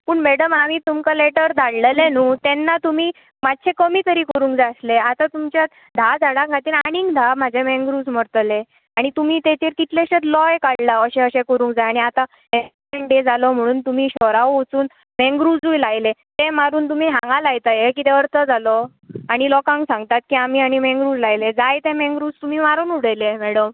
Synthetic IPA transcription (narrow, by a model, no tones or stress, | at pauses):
puːɳmeɽəmaʋiːt̪umkəleʈəɾd̪ʱaɽləlenuːt̪enːat̪umiː | mad̪̚t͡ɕʰekəmiːk̪əɾiːkəɾũːŋkd͡zasleat̪at̪umt͡ɕjat̪ | d̪ʱad͡zʱaɽakʰat̪iːnaɽ̃iŋɡd̪ʱamad͡ʑʱemẽŋɡɾuːd͡zm̤əɾt̪le | aɽ̃it̪um̤iːt̪et̪iːɾkit̪leɕet̪lɔjkaɽlaəɕẽəɕẽkəɾũːŋkd͡zajaɽiat̪a | e | eɳɖed͡zalɔm̤əɽ̃uːnt̪umiːɕɔɾaʋut͡suːn | mẽŋɡɾud͡zujlajlet̪emaɾuːnt̪um̤iːɦãŋɡalajt̪ajekiːt̪eəɾt̪əd͡zalɔ | aɽ̃ilɔkãŋɡsãŋɡt̪at̪̚kiːamiaɽ̃imẽŋɡɾud͡zlajled͡zajt̪ẽmẽŋɡɾud͡zt̪um̤iːmaɾuːnuɽ̤əjlemɛɽəm